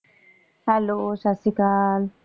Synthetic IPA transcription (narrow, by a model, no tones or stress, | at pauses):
halosasikal